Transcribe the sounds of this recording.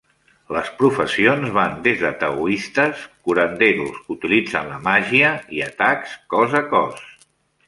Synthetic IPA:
ləspɾufəsionzβand̪ezðət̪əuist̪əskuɾənd̪eɾuskut̪ilid͡zənləmaʒiəiət̪akskɔzəkɔs

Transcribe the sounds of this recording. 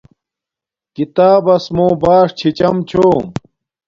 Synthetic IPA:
kit̪aːbɐsmõːbaːʂt͡ɕʰit͡ɕɐmt͡ɕʰoːm

